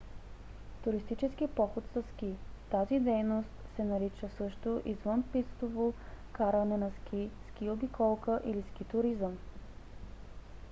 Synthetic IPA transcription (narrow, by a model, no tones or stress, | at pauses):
t̪ʊɾist̪it͡ʃɛsk̟ipɔxot̪sɐskit̪azid̪ɛjnost̪sɛnɐɾit͡ʃəsɤʃt̪oʔizvənpist̪ovokaɾənɛnɐsk̟ʰʲiskʲiobikɔlˠkəʔiliskit̪ʊɾizəm